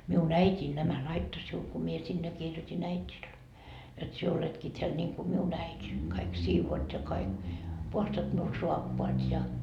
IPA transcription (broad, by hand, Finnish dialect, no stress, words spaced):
miun æitʲiːn næmæ lɑitːo siul ku mie sinːe kirjotin æitʲil jot sie oletki teæl niŋku miun æitʲi kɑik siːʋoːt jɑ kɑik puhɑstɑt miul suɑpːoɑt jɑ